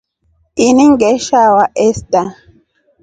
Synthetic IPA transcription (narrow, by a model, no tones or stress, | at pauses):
iniŋɡɛʃawaʔɛsta